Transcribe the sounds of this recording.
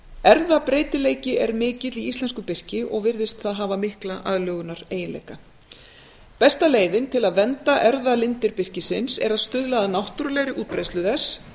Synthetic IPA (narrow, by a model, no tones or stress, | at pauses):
ɛɾðapɾeːjt̪ɪleːjcɪʔɛɾmɪːcɪt̪liist̪lɛnskʏpɪr̥cɪʔɔɣvɪɾðɪst̪θaðɦaːvamɪhklaʔaðlœːɣʏnaɾeːjɪnlḛjka | pɛst̪aleːjðɪnt̪ʰɪlaðvɛnt̪aʔɛɾðalɪnt̪ɪɾpɪr̥cɪsɪnsɛ̰ɾaðst̪ʏðlaːðanawht̪uɾʏlɛːɣɾɪʔuːt̪̚pɾejst̪lʏðɛs